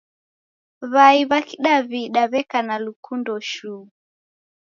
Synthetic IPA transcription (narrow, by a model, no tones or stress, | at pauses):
βaiβakiɗaβiɗaβɛkanalukundɔʃu